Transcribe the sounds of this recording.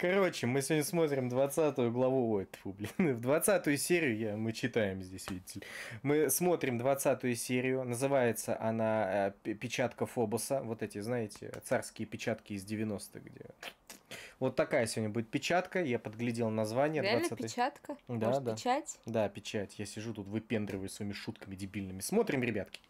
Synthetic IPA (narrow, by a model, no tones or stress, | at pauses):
kɐɾo̞t͡ɕɪmɨsʲɪvo̞dʲnʲəsmo̞t̪ɾʲɪmd̪vɐt̪sat̪ʊjʊɡlˠɐvuot̪publʲɪnɨvd̪vɐt̪sat̪ʊjʊsʲeɾʲɪjʊjamɨt͡ɕːɪt̪ajɪmzʲdʲesʲvʲiɪtʲɪlʲmɨsmo̞t̪ɾʲɪmd̪vɐt̪sat̪ʊjʊsʲeɾʲɪjʊnəzɨvajɪt̪sə̰ʔɐnapʲɪt͡ɕat̪kəfo̞bʊsəvo̞t̪ɛtʲɪznajɪtʲɪ̰t̪sarskʲɪjəpʲɪt͡ɕat̪kʲɪːzʲdʲɪvʲɪno̞st̪ɨ̰ɣɡdʲḛ | vo̞t̪ːɐkajəsʲɪvodʲnʲəbudʲɪt̪̚pʲɪt͡ɕat̪kəjapəd̪ɡlʲɪdʲelˠnɐzvanʲɪjəɾʲɪavɐlnsapʲɪat̪kəd̪ad̪at͡ɕatʲd̪apʲɪt͡ɕatʲjasʲɪʐut̪ut̪vɨpʲe̞nd̪ɾʲɪvəjʊsvɐimʲɪʂut̪kəmʲɪdʲɪbʲilʲnɨmʲɪsmo̞t̪ɾʲɪmɾʲɪbʲat̪kʲɪ̥